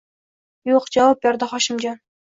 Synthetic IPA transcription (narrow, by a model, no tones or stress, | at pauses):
joqd͡ʒawɑp̚beɾd̪ɪχɒʃɪmd͡ʒɑn